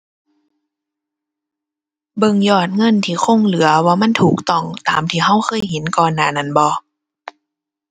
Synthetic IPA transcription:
bɤ˧˨ŋjɔː˧˩t̪̚ŋɤ˧˥˨nt̪ʰiː˧˩xʰo˧˥˨ŋlɯ˨˦ɐwaː˧ma˧˥˨nt̪ʰuː˨˩k̚t̪ɔ˧˩ŋt̪a̰ː˨˦mt̪ʰiː˧˩˦ha˧˥˨wxʰɤː˧˥˨jhe˨˦nkɔː˨nːaː˧˩˨na˧˩˨nbɔː˧˦

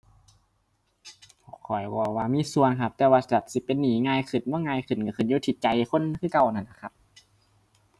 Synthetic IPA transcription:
pʰɔ˧˨˩kʰɔ˨˩jwɔː˧˩waː˧miː˧˥˨su˧ənkʰa˧p̚t̪ɛː˧waː˧sa˧a˨˩t̪̚si˧˦pe˧nːiː˨˦ŋaː˧˨jkʰɯ˨˩n̚mɔː˧˥˨ŋaː˧jkʰɯ˨˧˩nka˧˩kʰɯ˧˨˩njuː˧t̪ʰi˧˦t̪̚t͡ɕa˧jkʰo˧˥˨nkʰɯː˧˨ka˧˨wna˧˩nːa˧˩kʰa˧˥p̚

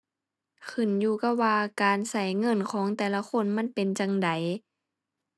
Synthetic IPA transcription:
kʰɯ˧˩˨njuː˧ka˧˥waː˧kaː˨nsa˧˩jŋɤ˧˥˨nkʰɔː˨˦ŋt̪ɛː˨˩la˧xʰo˧˥˨nma˧˥˨npe˨nt͡ɕa˧ŋda˨j

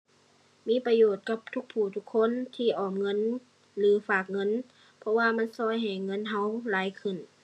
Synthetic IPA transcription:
miː˧˥˨pa˧joː˨˩t̪̚ka˧˥p̚t̪ʰu˧˥k̚pʰuː˨˩t̪ʰu˧˥kʰːo˧˥˨nt̪ʰiː˧˩ʔɔː˨˩mŋɤ˧˥˨n | lɯː˨˦faː˨˩k̚ŋɤ˧˥˨n | pʰɔ˧waː˧ma˧˥˨nsɔː˧˥˨jɦa˨˩jŋɤ˧˥˨nɦa˧˥˨wlaː˨˦jkʰɯ˨˩n

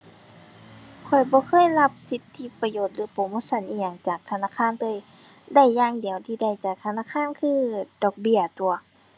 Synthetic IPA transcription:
kʰɔ˨˩jbɔː˧˦kʰɤː˧˥˨jla˧p̚si˧˦t̪ʰːi˧˦pa˧joː˨˩t̪̚lɯː˧˦poː˧˩moː˧˥˨so˧˨nʔiː˧˩ja˨˧˩ŋt͡ɕaː˨˩k̚t̪ʰa˧naː˧˨kʰaː˧˥˨nt̪ɤː˧˨j | da˧˩jːaː˧˥˨ŋdi˨˩˨əwt̪ʰiː˧da˧˩jt͡ɕaː˨˩k̚t̪ʰa˧naː˧˥˨kʰaː˧˥˨nkʰɯː˧˥˨d̥ɔː˧˩k̚bi˧˩ɐt̪u˧˩ɐ

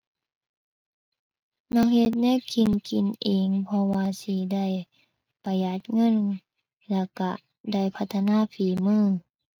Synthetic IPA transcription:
nɔː˧˥˨k̚he˧t̪̚nɛ˧˥˨kʰi˨nkʰi˨nʔeː˨˦ŋpʰɔ˧waː˧si˧˦da˧˩˨j | pa˧˩ja˧˩t̪̚ŋɤ˧˥˨n | lɛ˧˩ka̰˧˩ | da˧˥˩jpʰa˧t̪ʰːa˧naː˧˥˨piː˨˦mɯː˧˥˨

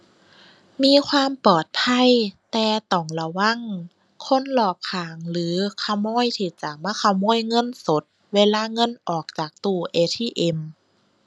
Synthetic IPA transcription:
miː˧˥˨kʰwaː˧˥˨mpɔː˨˩t̪̚pʰa˧˥˨jt̪ɛː˨˧˩t̪ɔː˨˩ŋla˧wa˧˥˨ŋ | kʰo˧˥˨nlɔː˨˩p̚kʰaː˨˩˦ŋlɯː˨˦kʰa˧˩wmɔː˧˥˨jt̪ʰiː˧˩t͡ɕa˧˩maː˧˥˨kʰa˧˩wmɔː˧˥˨jŋɤ˧˥˨nso˨˦t̪̚ | weː˧˥˨laː˧˥˨ŋɤ˧˥˨nʔɔː˨˩k̚t͡ɕaː˨˩k̚t̪uː˧˩ʔeː˧t̪ʰiː˧˥˨ʔe˧m

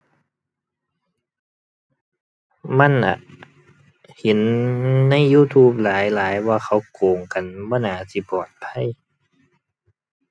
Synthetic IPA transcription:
ma˧˥˨nʔa̰˨˩ʔ | he˨˦nːa˧˥˨jːuː˧˥˨t̪ʰuː˧˩p̚laː˨˦jlaː˨˦jwaː˧˨xʰa˧˩wkoː˨˩ŋka˨nbɔː˧˥˨naː˨˧˩si˧˦pɔː˨˩t̪̚pʰa˧˥˨j

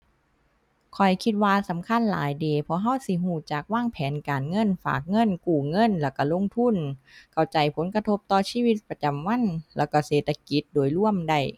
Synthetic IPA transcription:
kʰɔ˨˩jkʰi˧t̪̚waː˧sa˨˦mkʰa˧˥˨nla̰ː˨˦jdeː˨˩pʰɔ˧ɦa˧˥˨wsi˧˩ɦuː˧˩t͡ɕaː˨˩k̚waː˧˥˩ŋpʰɛː˨˦nkaː˨˩nŋɤ˧˥˨nfa̰ː˨˩k̚ŋɤ˧˥˨nkuː˨˩ŋɤ˧˥˨nlɛː˧˩wka˧˩lo˧˥˨ŋt̪ʰu˧˥˨nkʰa˧˩wt͡ɕa˨˩jpʰo˨˦nka˧t̪ʰo˧˥p̚t̪ɔː˧˩siː˧˥˨wi˧t̪̚pɾa˧t͡ɕa˨˩mwa˧˥˨nlɛː˧˩wka˧˩seː˨˩t̪ʰːa˧ki˧˦t̪̚doː˨˩jlu˧˥˩əmda˧˩j

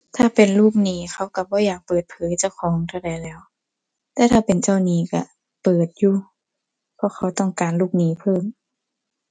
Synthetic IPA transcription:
t̪ʰaː˧˩pe˨˩nluː˥˩k̚niː˧˩xʰa˧˥˩wka˧bɔː˧˦jaː˨˩k̚pɤː˨˩t̪̚pʰɤː˨˦jt͡ɕa˧˩˨wxʰɔː˨˦ŋt̪ʰa˧˩wda˨jlɛː˧˥˩w | t̪ɛː˧˦t̪ʰaː˧˩pe˨nt͡ɕa˧˩˨wniː˧˥˩ka̰˧˩ | pɤː˨˩t̪̚juː˧ | pʰɔ˧˥xʰa˧˩wt̪ɔ˥˩ŋkaː˨nluː˥˩k̚niː˧˥pʰɤː˧˥˩m

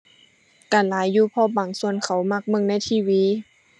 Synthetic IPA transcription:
kaː˨˩nlaː˨˦jːuː˧˩pʰɔː˧˩baː˨˩ŋsu˧ənkʰa˨˩wma˧˩k̚mɤ˧˥˨ŋna˧˥˩jt̪ʰiː˧˩˨wiː˧˥

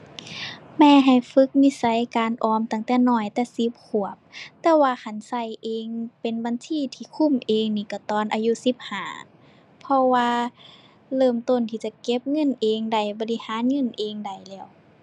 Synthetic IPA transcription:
mɛː˧˨ɦa˨˩jfɯ˧˦˥k̚ni˧˥˨sa˧˦˨jkaː˨nʔɔː˧mt̪a˧˩ŋt̪ɛː˧˩nɔː˧˩jt̪ɛː˧si˧˦p̚kʰu˨˩əp̚t̪ɛː˧waː˧kʰa˧˩nsa˧˩jʔeː˧ŋpe˨nba˧˨nsiː˧˥˨t̪ʰiː˧˩kʰu˧˥˨mʔeː˨˧ŋniː˧˩ka˧˩t̪ɔː˧˨nʔaː˧ju˧si˧˦p̚haː˨˩˦ | pʰɔ˧waː˧ | lɤː˧˩mt̪o˧˨nt̪ʰiː˧˩t͡ɕa˧ke˧˥p̚ŋɤ˧˥˨nʔeː˨˧ŋda˧˩jbɔ˧˦li˧˩haː˨˧˦nŋɤ˧˥˨nʔeː˨˧ŋda˧˩jlɛː˧˩˨w

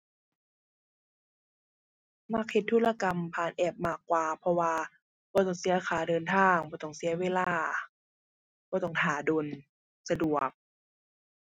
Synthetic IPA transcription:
ma˧˩k̚he˧˩t̪ʰːu˧˥˩laː˧ka˧mpʰaː˧˩nʔɛː˧˩p̚maː˧˩kːwaː˨˩pʰɔ˧waː˧ | bɔː˧t̪ɔ˧˩ŋsi˨˦ɐ˧kʰaː˨˩˦dɤː˧nt̪ʰaː˧˩ŋbɔː˧t̪ɔ˧˩ŋsi˨˦ɐweː˧˨laː˧˩ | bɔː˧˦t̪ɔ˧˩ŋhaː˨˩˦doː˧n | sa˧du˨˩ək̚

